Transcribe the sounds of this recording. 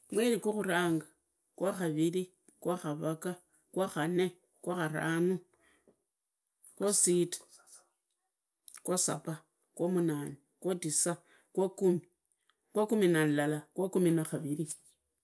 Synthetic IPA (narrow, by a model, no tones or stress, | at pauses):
mwelikoxuɾaːŋɡa | kwaxaβili | kwaxaβaka | kwaxane | kwaxaɾaːnu | kwositḁ | kwasa̰pa | kwomunaːni | kwotisa | kwakumi | kwakuminanlalakwakuminaxaβiɾi